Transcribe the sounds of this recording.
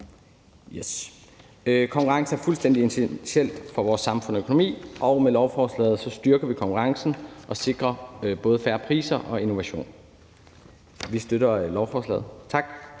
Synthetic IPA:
jes | kʰɒ̽ŋkʰuʁɑ̈ŋsn̩æɐfulsd̥en̰d̥ie̝nt͡sʰesiel̰d̥fɒ̽ʋɒːsːɑ̈mfɔ̽nøkʰonomḭːʔɒ̽ʊmelɒʊfɒːslɛ̰ːð̞̩ˠsɒ̽sd̥ɶɐɡ̥ɐʋikʰɒ̽ŋkʰuʁɑ̈ŋsn̩ʔɒ̽se̝ɡ̥ʁɐb̥ɔ̽ːð̞̩ˠfæɐpʰʁḭːsɐʔɒ̽e̝no̝ʋæɕo̝̰ːn | ʋisd̥øɾɐlɒʊfɒːslɛ̰ːð̩ˠt͡sʰɑ̈ɡ̥

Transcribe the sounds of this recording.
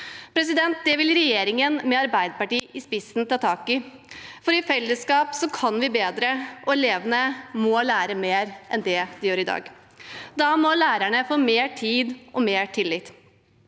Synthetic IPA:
pʰɾɛsɪd̪ɛnt̪̚d̪ɛʋɪlɾɛjeːɾɪŋənmɛɑɾbæɪd̪əpɑʈiːʔɪspɪsnt̪ʰɑːt̪ʰɑːkɪ | fɔɾɪfɛlːəskɑːpsɔkʰɑnʋɪbeːd̪ɾəʔɔɛleːʋənəmɔlæːɾəmeːɾʔɛnd̪ɛd̪̥ɪjøːɾɪd̪ɑ̰ːɡ | d̪ɑmɔlæːɾæɳəfoːmeːʈʰiːd̪ʔɔmeːʈʰɪlːɪt̪

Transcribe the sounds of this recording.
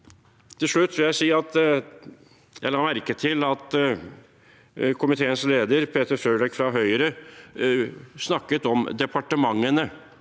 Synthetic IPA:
t̪ʰɪlʂɭʉt̪ːʋɪljæɪsiːɑt̪ | jæɪlɑːmæɾkət̪ʰɪlɑt̪ | kʰʊmɪt̪ʰeːənsleːd̪əɾpʰeːt̪əɾfɾøːɖɛkfɾɑɦœʏɾə | snɑkːət̪ɔmd̪ɛpʰɑʈəmɑŋːənə

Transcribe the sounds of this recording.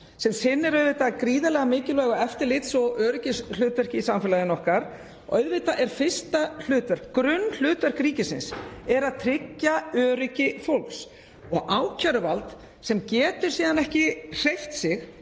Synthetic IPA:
sɛmsɪnːɛɾœðvɪt̪akɾiːðalɛɣamɪːcɪlvœːɣaɛft̪ɪɾlɪt̪sɔɣœːɾɪcɪslʏːt̪œɾ̥hcɪisamfɪlaðɪnɔhkaɾ̥ | ɔʔœɥðvɪt̪aʔɛɾ̥fɪst̪al̥ʏːt̪aɾ̥kɾʏnːl̥ʏːt̪aɾ̥kɾiːcɪsɪ̰nsɛɾaðt̪ʰɾɪcːaœːɾʏcɪfowlks | ɔɣʔaːwcʰœɾvalt̪ | sɛmcɛːt̪ʏɾ̥siːðanɛhcɪr̥ejft̪sɪx

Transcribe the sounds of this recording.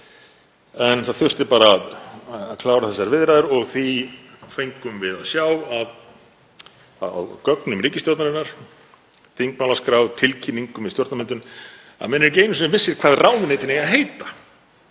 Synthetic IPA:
ɛnθaðθʏr̥t̪ɪpaːɾaːðakʰlaːwɾaθɛsːaɾvɪðɾajðɪɾɔɣθi | fejŋkʏmvɪðaðsjaːwað | aa̰wkœknʏmɾiːcɪst̪jɔwɾt̪naɾɪnːaɾ̥ | θiŋkmawlaskɾawvt̪ʰɪlcʰinːiŋkʏmɪst̪jɔɾt̪namɛnt̪ʏn | a̰ðmɛnːɛɾc̬eːjnʏmsnɪvɪsːɪɾ̥kʰv̥aːðraːwnnejt̪ɪnejaðɦeːjt̪a

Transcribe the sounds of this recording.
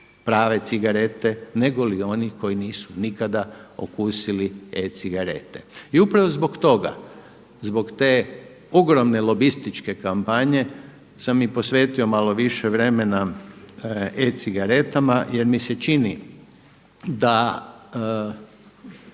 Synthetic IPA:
pɾaːʋe̞t̪siɡaɾe̞t̪e̞ne̞ɡo̞lio̞nixko̞jiniːsunikad̪ao̰kuːsiliet̪siɡaɾe̞̰t̪e̞̰iupɾaʋo̞zbo̞kt̪o̞ɡa̰ | zbo̞kt̪eː | o̞ɡɾomne̞lo̞bist̪it͡ʃke̞kampaɲe̞ | samːipo̞sʋe̞ːt̪io̞maloʋiʃe̞ʋɾe̞me̞na | et̪siɡaɾe̞t̪amaje̞ɾmise̞t͡ʃini | d̪a

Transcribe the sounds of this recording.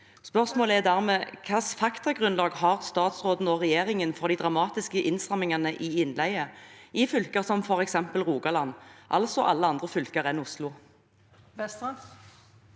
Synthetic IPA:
spœʁsmoːləɛd̪æːʁmeːkʰɑsfɑkt̪ɑɡʁʉnlɑːɡhɑʁst̪ɑːt̪sʁoːd̪n̩ɔʁɛjeːʁɪŋənfɔʁd̪iːd̪ʁɑmɑːt̪ɪskəʔɪnsʁɑmːɪŋɑnəʔiːɪnlæɪəɪfʏlkəʁsɔmfɔʁɛksɛmpəlʁuːɡɑlɑnʔɑ̰lsɔʔɑlːəɑnd̪ʁəfʏlkəʁɛnʊslʊ

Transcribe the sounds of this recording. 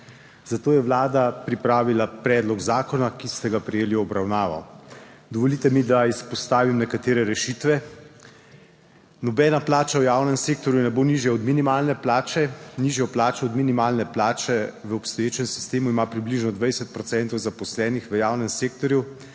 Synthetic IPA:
z̥at̪oːjɛʋlaːd̪apɾipɾaːʋilapɾɛːd̪lɔɡzaːkɔnakist̪ɛɡapɾɛjeːliɔbɾawnaːʋɔ̰d̪ɔʋɔlit̪ɛmid̪aispɔst̪aːʋimnɛkat̪eːɾɛɾɛʃit̪ʋɛ | nɔbɛːnaplaːt͡ʃawjawnɛmseːk̚t̪ɔɾjunɛboniʒjɛɔd̪minimalnɛplaːt͡ʃɛniʒjɛplaːt͡ʃɛɔd̪minimaːlnɛplaːt͡ʃɛʋəɔpst̪ɔjeːt͡ʃɛmsi̥st̪eːmuimapɾibliʒnɔd̪ʋɛjsɛt̪̚pɾɔt̪sɛnt̪ɔwzapɔslɛːnixʋəjaːwnɛmseːkt̪ɔɾju

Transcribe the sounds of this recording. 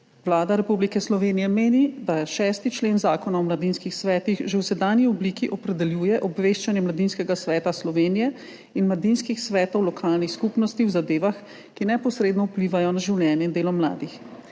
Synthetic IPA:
wlaːd̪aɾɛpublikɛslɔʋeːnijɛmeːnid̪aʃɛːst̪it͡ʃleːnzaːkɔnaɔmlad̪inskixsʋɛːt̪ixʒewsɛd̪aːnjiɔbliːkiʔɔpɾɛd̪ɛljuːjɛʔɔbʋeːʃt͡ʃanjɛmlad̪inskɛɡasʋɛːt̪aslɔʋeːnijɛ | inmlad̪inskixsʋɛːt̪ɔwlɔkʰaːlnixskupnɔst̪iwzad̪eːʋax | kinɛpɔsɾeːd̪nɔupliːʋajɔnaʒiwljɛːnjɛind̪eːlɔmla̰ːd̪ix

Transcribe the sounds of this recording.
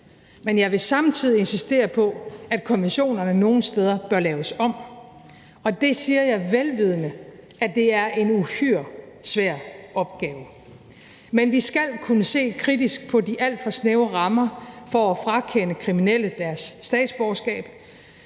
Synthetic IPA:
menjɑ̈ɪʋe̝sɑ̈mt͡sʰið̰ˠie̝nsisd̥e̝̰ːɐpʰɒ̽æd̥kʰo̝miɕo̝̰ːnɐnəno̝ːn̩sd̥eð̞ˠɐb̥ɶɐlɛːʊəsɒ̽m̰ | ɒ̽d̥e̝siːɐjɑ̈ɪʋelʋið̞ˠənəʔæd̥e̝æɐʔe̝nuhyɐ̰ | sʋæɐ̰ɒ̽b̥ɡ̥ɛːʊ | menʋisɡ̥æl̰kʰunəse̝̰ːkʰʁid̥isɡ̥̚pʰɒ̽diʔæl̰d̥fɒ̽sneʊʁɑ̈mɐfɒ̽æfʁɑ̈kʰenəkʰʁiminel̰əd̥æɐsːd̥ɛ̰ːd̥sb̥ɒʊsɡ̥ɛ̰ːb̥

